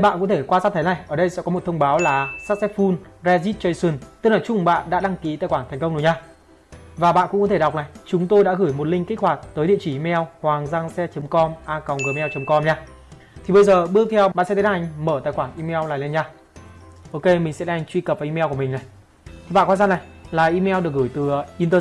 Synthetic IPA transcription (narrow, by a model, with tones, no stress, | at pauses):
jɓa̰ː˧˨kʊ̰˧˥t̪ʰe˧˩kwaː˧saː˦˥t̪ʰə˨˦na˨˩jʔəː˧˩ɗə˧jsɛ̰˧˥kɔ˨˦mo˨˩t̪ʰə˧wŋ͡mɓaː˨˦wlaː˨˩saː˦˥t̚sɛ˦˥t̚fu˧nzɛ˧zi˦˥t̚t͡ɕə˧jsɨ˧˩nt̪ɨ˧˥k̚laː˨˩t͡ɕʊ˨˧˩ŋ͡mɓa̰ː˧˨nɗa̰ː˧˥ɗa˧ŋki˨˦t̪a̰ː˧˨˩jxwaː˧˩nt̪ʰŋ̟kə˧wŋ͡mɗɲaː˧ | vaː˨˩ɓa̰ː˧˨nkʊ̰˧˥kɔ˨˦t̪ʰe˧˩ɗa˨˩k͡p̚naː˨˩jt͡ɕʊ˨˦ŋ͡mt̪o˧jɗa̰ː˧˥ɣɨː˧˩jmo˨˩t̚lï˧ŋki˦˥k̚hwaː˨˩t̚t̪əː˨˦jɗḭ˧˨t͡ɕi˧˩ʔi˧mɛ˧whwaː˨˩ŋzaː˧ŋsɛ˧˥t͡ɕə˨˦mkɔ˧mʔaː˧ka˨˩wŋ͡mɣəː˨˩mɛ˧wt͡ɕə˨˦mkɔ˧mɲaː˧ | t̪ʰi˨˩ɓə˧jzəː˨˩ɓɨ˦˥ək̚t̪ʰɛ˧wɓa̰ː˧˨sɛ˧˥t̪e˨˦nha˨˩jŋ̟məː˧˩t̪aː˨˩jxwaː˧˩nʔi˧mɛ˧wlaː˨˩lɛ˧nɲaː˧ | ʔo˧ke˧mï˨˩ŋ̟sɛ̰˧˥ɗa˧ŋt͡ɕwi˧kə˨˩va˨i˧mɛ˧ku˧˩mï˨˩ŋna˨˩j | t̪ʰi˨˩ɓa̰ː˧˨nkwa˧nzaː˧˩na˨˩jlaː˨˩ʔi˧mɛ˧wɗɨ˨˩ək̚ɣɨː˧˩jt̪ɨ˨˩ʔi˧nt̪əː˧